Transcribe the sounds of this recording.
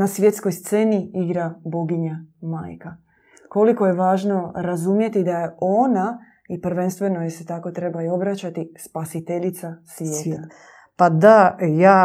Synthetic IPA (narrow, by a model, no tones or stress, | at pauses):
nasʋje̞t̪sko̞jst̪se̞ːniiɡɾabo̞ɡiɲamaːjka | ko̞liko̞je̞ʋaːʒno̞ɾazumje̞t̪id̪aje̞o̞na | ipɾ̩ʋe̞nst̪ʋe̞no̞jese̞t̪ako̞t̪ɾe̞baio̞bɾat͡ɕat̪ispasit̪e̞ʎit̪sasʋʲjeːt̪ːa | pad̪ajaː